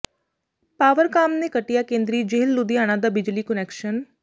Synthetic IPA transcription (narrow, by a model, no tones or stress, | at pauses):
paːʋəɾkaːmneːkəʈːɪjaːkẽːnd̪ɾiːd͡ʒeːlːʊd̪ɪjaːñãːd̪aːbɪd͡ʒliːkənɛːkʃən